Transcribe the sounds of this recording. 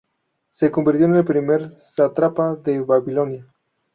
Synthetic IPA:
sekombiɾt̪joenelpɾimeɾ | sat̪ɾapaðeβaβilo̞nja

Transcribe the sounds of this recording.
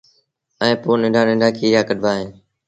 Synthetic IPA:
ə̃ːpoːnɪ̃ːɖãːnɪ̃ːɳɖaːkiːjaːkəɗbaːɦẽː

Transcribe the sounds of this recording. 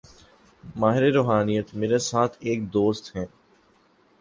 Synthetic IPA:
maːɦɪɾeɾoːɦaːnijət̪meːɾesaːt̪ʰeːk̚d̪oːst̪ɦɛ̃ː

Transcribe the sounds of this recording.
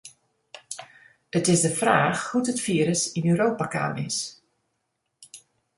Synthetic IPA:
ətɪsdəfraːxhutətfiːəɾəsinøwɾoːpaka̰ːnɪ̰s

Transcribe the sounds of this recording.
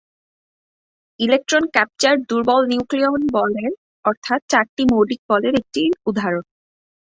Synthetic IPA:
ilek̚ʈɾonkɛp̚t͡ɕaɾd̪uɾbɔlniuklionbɔleɾ | ɔɾt̪ʰat̪̚t͡ɕaɾʈimoɖik̚bɔleɾek̚ʈiud̪ʱaɾon

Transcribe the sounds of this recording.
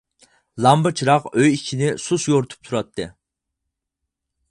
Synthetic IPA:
lˠɑmbɨt͡ʃʰɾɑqøjikʲʰinɪsusjoɾt̪ʰu̥p̚t̪ʰuɾɑt̪ʰːɨ

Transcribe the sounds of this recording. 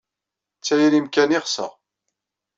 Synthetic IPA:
t͡sːæjiɾimkæniχsə̰ʁ

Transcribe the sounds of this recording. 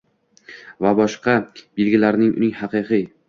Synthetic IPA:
vabɒʃqɑb̥elɡʲɪlaɾnɪŋʔʊ̰nɪŋhɑqɨqɨ

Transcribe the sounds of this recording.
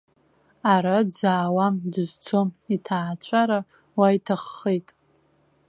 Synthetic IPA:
aɾad͡zaːwamdɨzt͡sʰomitʰaːt͡ɕʷʰʼaɾa | wajtʰaχːejtʼ

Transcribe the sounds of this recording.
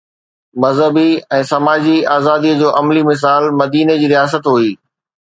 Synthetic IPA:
mɐzɦəbiɛ̃ːsɐmaːd͡ʑiaːzaːd̪iəd͡ʑoːʔɐmlimɪs̬aːlmɐd̪iːned͡ʑiːɾijaːs̬ət̪ɦuiː

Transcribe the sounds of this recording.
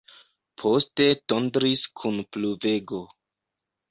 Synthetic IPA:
pʰo̞ste̞tondɾiskʰunpluve̞ɡo̞

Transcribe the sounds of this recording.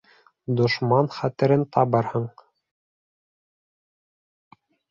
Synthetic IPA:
d̪ŏʃmɑnχæt̪ɘ̆ɾɘnt̪ɑβɤɾhɤɴ

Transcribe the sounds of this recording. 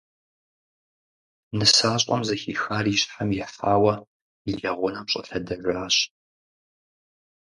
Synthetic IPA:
nɨsaːɕʼɔ̰mzɐxiːxaːriːɕħamjɪħfaːwɐ | iɮɐʁʷʊnɐmɕʼɐ̰ɬɐdɐʒʷɾaːɕ

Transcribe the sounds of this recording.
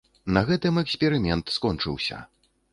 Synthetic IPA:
nɐɣɛt̪ɨmɛksʲpʲɛɾɨmʲɛnt̪skɔnt͡ʂɨ̰wsʲɐ̰

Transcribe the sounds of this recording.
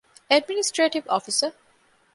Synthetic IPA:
ɛɖminisʈɾeːʈiʋɔːfisə

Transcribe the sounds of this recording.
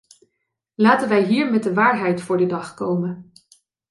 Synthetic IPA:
laːtənʋɛjɦiːɹmɛt̚dəʋaːɹɦɛjtfʊːɹdədɑχkowmən

